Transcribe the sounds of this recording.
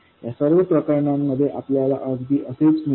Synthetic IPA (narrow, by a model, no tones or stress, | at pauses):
jasəɾʋəpɾəkəɾɳamːəd̪ʱːjeʔapljala̰ʔəd͡zb̪iːʔəseit͡smi